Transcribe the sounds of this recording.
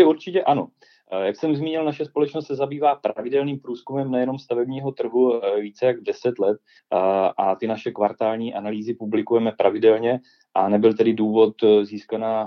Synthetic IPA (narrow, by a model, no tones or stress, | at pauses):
ɛuɾt͡ʃɪcɛʔano̞ | jaksɛmzmiːɲɪlnaʃɛspolɛt͡ʃnost̪sɛzabiːvaːpɾavɪdɛlniːmpɾuːskumɛmnɛjɛno̞mst̪avɛbɲiːɦo̞t̪r̩ɦuviːt͡sɛjaɡdɛsɛt̪lɛt̪̚ | ʔat̪ɪnaʃɛkvaɾt̪aːlɲiːʔanaliːzɪpublɪkujɛmɛpɾavɪdɛlɲɛ | ʔanɛbɪlt̪ɛdɪduːvo̞t̪ziːskanaː